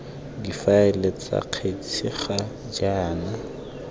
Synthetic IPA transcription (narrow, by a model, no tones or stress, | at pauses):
difaɛlet͡sʼa̰q͡χʰet͡sʰiχa | d͡ʒaːna